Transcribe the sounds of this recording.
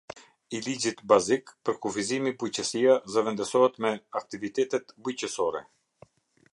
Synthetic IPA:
ilid͡ʑit̪bazikpəɾkufizimibujcəsiazəvɛnd̪əsɔɦɛt̪mɛak̚t̪ivit̪ɛt̪ɛt̪bujcəsɔɾɛ̰

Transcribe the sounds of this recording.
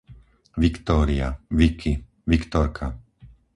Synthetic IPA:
ʋikt̪ɔːɾia̰ʋikʰi | ʋikt̪ɔɾkʰa

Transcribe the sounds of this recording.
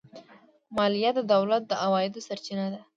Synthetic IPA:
mɑlijat̪̚d̪əd̪awlat̪̚d̪əʔawɑjɪd̪osaɾt͡ʃinad̪a

